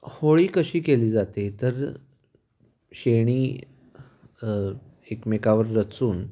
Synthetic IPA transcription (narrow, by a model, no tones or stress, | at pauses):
hoɭiːkəɕiːkeliːd͡zat̪et̪əɾ | ɕeɽ̃iː | ekmekaʋəɾːət͡suːn